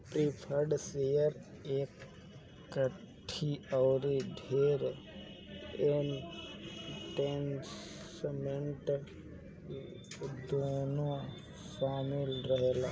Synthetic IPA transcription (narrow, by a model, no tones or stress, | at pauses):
pɾipʰəɾɖsejəɾ | eːkː | ə | ʈʰːiɔːɾidʱeːɾ | en | ʈens | meɳʈ | d̪onõ | saːmɪlɾəɦeːla̰ː